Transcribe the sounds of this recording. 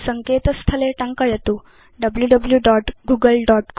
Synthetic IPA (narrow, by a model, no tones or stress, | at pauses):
səŋket̪əst̪ʰəleʈaŋkajet̪o | ɖəbljuɖəbljuɖɔʈɡuɡəlɖɔʈk